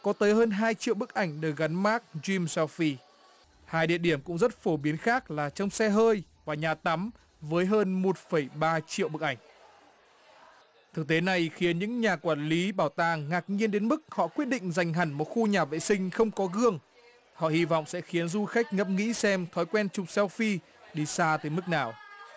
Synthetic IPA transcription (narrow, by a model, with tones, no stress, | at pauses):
kɔ˨˦t̪əː˨˦jɦəː˧nɦaː˧jt͡ɕḭ˧˨əwɓɨ˦˥k̚ʔa˧˩jŋ̟ɗəː˨˩jɣa˨˦nmaː˦˥k̚zi˧msɛ˧fi˧ | haː˧jɗḭ˧˨əɗi˧˩əmkʊ̰˧˥ŋ͡mzə˦˥t̚fo˧˩ɓi˨˦ənxaː˦˥k̚laː˨˩t͡ɕɔ˧wŋ͡msɛ˧ɦəː˧jvaː˨˩ɲaː˨˩t̪a˨˦m | vəː˨˦jɦəː˧nmo˨˩t̚fə˧˩jɓaː˧t͡ɕḭ˧˨əwɓɨ˦˥k̚ʔa˧˩ŋ̟ | t̪ʰɨ˨˩k̚t̪e˨˦na˨˩jxi˨˦ənɲɨ̰˧˥ŋɲaː˨˩kwaː˧˩nli˨˦ɓaː˧˩wt̪aː˧˩ŋŋaː˨˩k̚ɲi˧ənɗe˨˦nmɨ˦˥k̚hɔ̰˧˨kwi˦˥ət̚ɗḭ̈˧˨ŋ̟za˨˩jŋ̟ɦa˨˩jŋ̟mo˨˩t̚xu˧ɲaː˨˩vḛ˧˨sï˧ŋ̟xə˧wŋ͡mkɔ˨˦ɣɨ˧˩əŋ | hɔ̰˧˨hi˧vɔ̰˧˨wŋ͡msɛ̰˧˥xi˨˦ənzu˧xa˦˥jk̟̚ŋə˨˩˥p̚ŋḭ˧˥sɛ˧mt̪ʰɔ˨˦jkwɛ˧nt͡ɕʊ˨˩k͡p̚sɛ˧wfi˧ | ɗi˧˩saː˧t̪əː˨˦jmɨ˦˥k̚naː˨˩w